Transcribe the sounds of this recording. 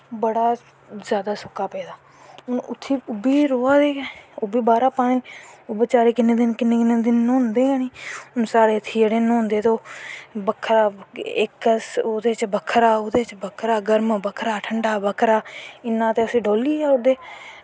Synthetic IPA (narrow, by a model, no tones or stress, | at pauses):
bəɽaː | zjaːd̪aːsʊkːaːpɛːd̪aː | ʊnʊ̰t̪ʰːiːʊbiːɾoːaːd̪eːobiːbaːɾaːpaːnẽːʊbət͡ʃaːɾeːkɪnẽːd̪ɪnkɪnːeːkɪnːeːd̪ɪnʊ̃nd̪eːaniːʊnsaːɾeːət̪ʰːiːd͡ʒeɽeːnːʊ̃nd̪eːt̪oːbəkʰːɾaːɪkəsoːd̪eːt͡ʃbəkʰːɾaːoːd̪eːt͡ʃbəkʰɾaːɡəɾmbəkʰɾaːʈʰəɳɖaːbəkʰɾaːɪnːãːt̪eːəsĩːɖoːliːɛːʊd̪eː